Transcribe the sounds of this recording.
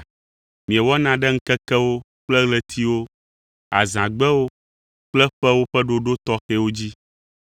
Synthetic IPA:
mĩ˨ɛ˨wɔ˦nã˨ɖɛ˦ŋ̩˦kɛ˦kɛ˦wo˦ | k͡plɛ˦ɣlɛ˦t̪ʰi˦wo˦ | a̰˨zã˨ɡ͡bɛ˦wo˦ | k͡plɛ˦ɸɛ˦wo˦ɸɛ˦ɖo˦ɖo˦t̪ɔ˦xɛ˦wo˦d͡ʑi˦

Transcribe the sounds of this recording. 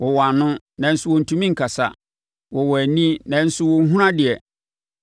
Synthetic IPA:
wɔ˨wa˨nʊ̃˦ | nã˨n̩˦sʊ˦wɔ˨n̩˨tʰũ˦mĩ˦ŋ̩˨kʰa˨sa̰˨ | wɔ˨wɔ˨æ˨nĩ˦nã˨n̩˦sʊ˦wɔ˨˦ɦũ˦ɾã˦dɪ˨ɛ˨

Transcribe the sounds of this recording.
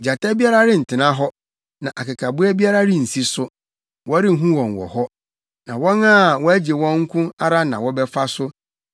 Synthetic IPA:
d͡ʑa˨ta˦bi˦a˦ɾa˦ɾɪ˦n̩˨tʰɪ˨nã˦ɦɔ˦ | nã˨ʔa˨kɪ˨kʰa˨bʊ˦ɛ˦bi˦a˦ɾa˦ɾɪ˦n̩˨si˦sʊ˦ | wɔ˦ɾɪ˦ɦũ˦wɔ̃˨nwɔ̰˨hɔ˦ | nã˨wɔ̃˦nãː˦˨wɔ˦æ˦d͡ʑe˨wɔ̃˦ŋ̩˦kʰʊ̃˦a˦ɾa˦nã̰˨wɔ˦bɛ˦fa˦sʊ˦

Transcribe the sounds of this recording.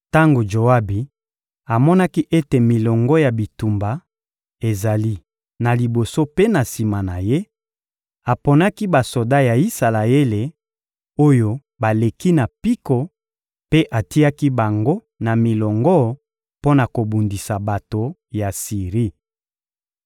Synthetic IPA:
ta˦ŋɡo˨ʒo˨a˦bi˨ | a˨mɔ˦na˦ki˦ʔe˦te˨mi˨lɔ˨ŋɡɔ˦ja˨bi˨tu˨mba˨ | e˨za˨li˦ | na˨li˨bo˨so˦pe˦na˨si˨ma˨na˨je˦ | a˨po˨na˦ki˦ba˨so˨da˦ja˨i˦sa˨la˨e˦le˨ | o˦jo˦ | ba˨le˨ki˦na˨pi˦ko˨ | pe˦ʔa˨ti˦a˦ki˦ba˨ŋɡo˦ | na˨mi˨lɔ˨ŋɡɔ˦ | po˦na˨ko˨bu˨ndi˨sa˨ba˨to˨ja˨si˨ʁi˦

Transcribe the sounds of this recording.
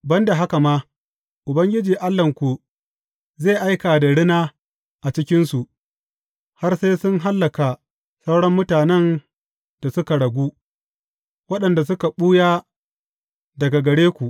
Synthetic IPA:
bɐ˦nda˨ɦa˦ka˨maː˦ | ʔʊ˨bɐ˦ŋɡʲɪ˦d͡ʒiː˨ʔa˦lːɐ˨ŋkʷu˨ | zeː˦˨ʔa˦jka˨da˨ɽɪ˦naː˦ | ʔa˨t͡ʃɪ˦kʲɪ˦nsu˨ʔ | ha˦rse˦sʊ˦nɦa˦lːɐ˨ka˨ | sa˦wɽɔ˦mːʊ˦taː˨nɛ˦n | d̥a˨sʊ˦ka˨ɽɐ˨ɡʷu˦ | wɐ˦ɗɐ˨nda˨sʊ˦ka˨ɓuː˦jaː˦ | dɐ˨ɡa˨ɡɐ˨ɽeː˦kʷu˨ʔ

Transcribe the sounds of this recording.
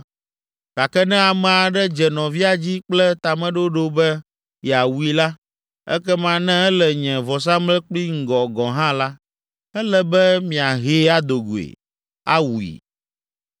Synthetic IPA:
ɡ̥a˨kɛ˦nɛ̃˦a˨mɛ̃˨a˨ɖɛ˦d͡ʒɛ˨nɔ̃˨vi˦a˨d͡ʑi˦k͡plɛ˦t̪a˨mɛ̃˦ɖo˦ɖo˦bɛ˦ | jɛ˨a˨wu˨i˨la˦ | ɛ̰˦kɛ˦mã˦nɛ̃˦ɛ˦lɛ˨ɲɛ̃˨vɔ˨s̬ã˦mlɛ˦k͡pli˦ŋ̩˦˨ɡɔ˨ɡɔ̃˨ɦã˦la˦ | ɛ˦lɛ˨bɛ˦mĩ˨a˨ɦe˦a˦d̪o˨ɡo˨ḛ˨ | a˦wu˨ḭ˨

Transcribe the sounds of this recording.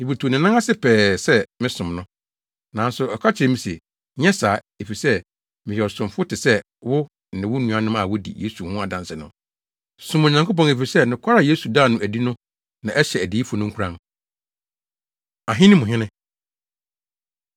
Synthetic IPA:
ni˨bu˨tʰu˨o˨nɪ̃˨nã˦a˦sɪ˦pʰɛː˨sɛ˦mɪ̃˦sʊ̃˨mnʊ̃˦ | nã˨˦n˦sʊ˨ɛ˨kʰa˦t͡ɕʰɪ˨ɾɛ˨mĩ˨sḛ˨ | ɲɛ̃˦saː˨˦ | e˨fi˨sɛ˦ | mɪ̃˨ɛ˨ɔ˨sʊ̃˨m˨fʊ˦tʰɪ˨sɛ˦ | wʊ˦˨ | nɪ̃˨wʊ˦nũ˨˦ã˨˦nʊ̃˦ma˨wʊ˦dḭ˨je˦su˨hʊ̃˦a˨dã˨nsɪ˨nʊ̃˦ | sʊ̃˨m˨ɲã˨ŋko˦p̬ɔ̃˨ne˨fi˨sɛ˦nɪ̃˨kʷʰa˦ɾa˨je˦su˨daː˦˨nʊ̃˦ʔæ˨di˦nʊ̃˦ | nã˨ʔɛ˦ɕɛ˨æ˨di˨˦i˦fʊ˨nʊ̃˦ŋ̩˦kʰu˨ɾã̰˦n | a˨ɦɪ̃˦nɪ̃˦mʊ̃˨ɦɪ̃˦nɪ̃˦

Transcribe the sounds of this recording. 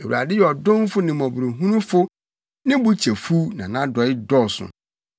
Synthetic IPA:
e˨wu˨ɾa̰˨dɪ˦jɔ˨dʊ̃˦m˦fʊ˦nɪ̃˨mɔ̃˨bu˨ɾo˨ɦũ˦nũ˦fʊ˦ | nɪ̃˦bu˦t͡ɕʰe˨fu˦nã̰˨nã˦dɔ˨ɪ˦dɔ˦˨sʊ̰̃˨

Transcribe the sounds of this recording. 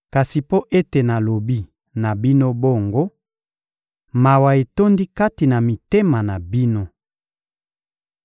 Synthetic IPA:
ka˨si˨po˦ʔe˦te˨na˨lo˨bi˦ | na˨bi˦no˦bo˦˨ŋɡo˦ | ma˨wa˨e˨to˦ndi˦ka˦ti˨na˨mi˨te˦ma˨na˨bi˦no˦

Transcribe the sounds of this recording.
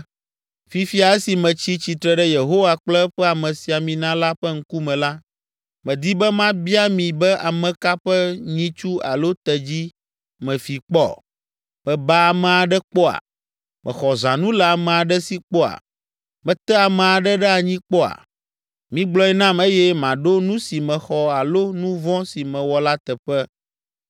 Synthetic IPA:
fi˦fi˦a˨ɛ˦si˨mɛ̃˨t͡ɕi˦t͡ɕi˨t̪ɾɛ˨ɖɛ˦je˨ɦo˦wa˨k͡plɛ˦ɸɛ˦a˨mɛ̃˨si˨a˨mĩ˨nã˦la˦ɸɛ˦ŋ̩˦ku˦mɛ̃˨la˦ | mɛ̃˨d̪i˦bɛ˦mã˦bi˦a˦mĩ˨bɛ˦ʔa˨mɛ̃˨ka˦ɸɛ˦ɲĩ˦t͡ʃu˦a̰˨lo˦t̪ɛ˨d͡ʑi˦ | mɛ̃˨fi˨k͡pɔ̰˦ | mɛ̃˨ba˦a˨mɛ̃˨a˨ɖɛ˦k͡pɔ˦a̰˨ | mɛ̰̃˨xɔ˨zã˨nũ˦lɛ˨a˨mɛ̃˨a˨ɖɛ˦si˦k͡pɔ˦a̰˨ | mɛ̃˨t̪ɛ˦a˨mɛ̃˨a˨ɖɛ˦ɖɛ˦a˨ɲĩ˦k͡pɔ˦a̰˨ | mĩ˨˦ɡ͡blɔ˦ɛ˦nã˦me˦jɛ˦mã˨ɖo˦nũ˦si˨mɛ̃˨xɔ˨a˨lo˦nũ˦vɔ̃˦si˨mɛ̃˨wɔ˨la˦t̪ɛ˨ɸɛ˦

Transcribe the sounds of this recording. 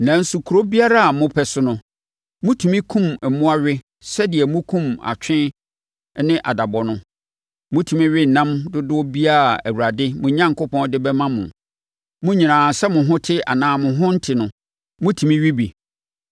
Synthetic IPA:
nã˨n̩˦su˨kʰu˨ɾo˦bi˦a˦ɾa˦a˨mʊ̃˦pʰɛ˦sʊ˦nʊ̃˦ | mʊ̃˦tʰu˨mĩ˦kʰũ˦mɛ˨mũ˦a˦ɥɪ˦ | sɛ˦dɪ˨ɛ˨mʊ̃˦kʰũ˦ma̰˨t͡ɕᶣɪ̃˦ | nɪ̃˦ʔa˨da˨bɔ˨nʊ̃˦ | mʊ̃˦tʰi˨mĩ˦ɥɪ˦n̩˨nã˦mdʊ˦dʊ˦ɔ˦bi˦a˦˨æ̰˨wu˨ɾa˨dɪ˦mʊ̃˨ɲã˦ŋkʊ˦pɔ̃˦ndɪ˦bɛ˦mã˦mʊ̰̃˨ | mʊ̃˦ɲĩ˨nãː˨sɛ˦mʊ̃˨ɦʊ̃˦tʰɪ˦a̰˨nãː˨mʊ̃˨ɦʊ̃˦n̩˦tʰɪ˨nʊ̃˨ | mʊ̃˦tʰĩ˨mĩ˦ɥi˦bi˨

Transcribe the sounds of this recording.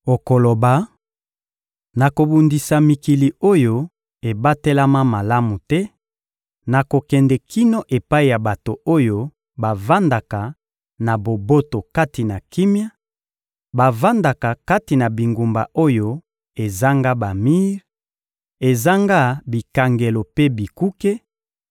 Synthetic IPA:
o˨ko˨lo˨ba˨ | na˨ko˨bu˨ndi˨sa˨mi˨ki˨li˨o˦jo˦ | e˨ba˦te˦la˦ma˦ma˨la˦mu˨tɛ˦ | na˨ko˨kɛ˨ndɛ˨kʰi˦no˦ʔe˨pa˦i˨ja˨ba˨to˨o˦jo˦ | ba˨va˦nda˨ka˨ | na˨bo˨bo˦to˨ka˦ti˨na˨ki˦mja˦ | ba˨va˦nda˨ka˨ka˦ti˨na˨bi˨ŋɡu˨mba̰˨ʔo˦jo˦ | e˨za˦ŋɡa˦ba˨mi˦ʁ | e˨za˦ŋɡa˦bi˨ka˨ŋɡe˨lo˨pe˦bi˨ku˦ke˦

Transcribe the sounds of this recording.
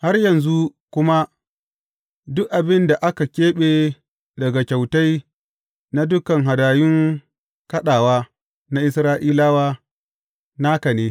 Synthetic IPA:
ha˦rjɐ˨nzu˦kʷʊ˦ma˦ | dʊ˦kʔa˨bɪ˦nda˨ʔa˦ka˨kʲeː˦ɓeː˨ | dɐ˨ɡa˨kʲa˨wta˦j | na˦dʊ˦kɐ˨ŋɦa˨daː˨jʊ˦ŋ | kɐ˦ɗaː˨waː˦ | na˦ʔɪ˦sɾaː˦ʔiː˦laː˦waː˦ | naː˦kɐ˨neː˦

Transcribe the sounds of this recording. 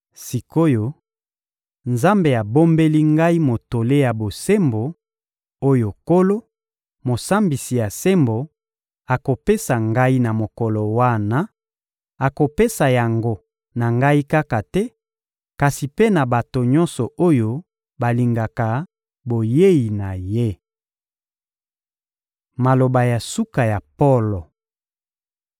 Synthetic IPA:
si˨ko˦jo˨ | nza˦mbe˨a˨bo˦mbe˦li˦ŋɡa˦i˦mo˨to˨le˦ja˨bo˨se˦mbo˨ | o˦jo˨ko˦lo˦ | mo˨sa˦mbi˨si˨ja˨se˦mbo˨ | a˨ko˨pe˦sa˨ŋɡa˦i˦na˨mo˨kɔ˨lɔ˨wa˦na˦ | a˨ko˨pe˦sa˨ja˨ŋɡo˦ | na˨ŋɡa˦i˦ka˦ka˨tɛ˦ | ka˨si˨pe˦na˨ba˨to˨ɲɔ˦nsɔ˨ʔo˦jo˦ | ba˨li˨ŋɡa˨ka˨ | bo˨je˦ji˨na˨je˦ | ma˨lo˨ba˨ja˨su˦ka˨ja˨po˦lo˨

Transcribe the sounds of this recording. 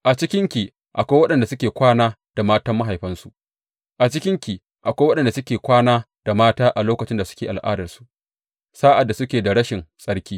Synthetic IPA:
ʔa˨t͡ʃɪ˦kʲɪ˦ŋkʲi˨ | ʔa˨kʷa˦wɐ˦ɗɐ˨nda˨sʊ˦kʲeː˨kʷaː˦naː˦ | d̥a˨maː˦tɐ˦mːa˦ɦa˨jɸɐ˦nsu˨ʔ | ʔa˨t͡ʃɪ˦kʲɪ˦ŋkʲi˨ | ʔa˨kʷwɐ˦ɗɐ˨nda˨sʊ˦kʲeː˨kʷaː˦naː˦ | d̥a˨maː˦taː˦ʔa˨loː˦kɐ˨t͡ʃɪ˦nda˨sʊ̥˦kʲeː˨ʔa˨lʔa̰ː˦dɐ˨rsu̥˨ | saː˦ʔa˨dːa˨sʊ˦kʲeː˨da˨ɽɐ˦ʃɪ˨nsʼɐ˦ɽkʲiː˦

